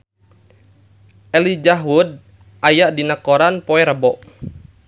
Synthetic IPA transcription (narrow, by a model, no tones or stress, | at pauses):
ʔɛlid͡ʒaɦud̚ | ʔajaʔdinəkɔɾanpɔɛɾəbɔʔ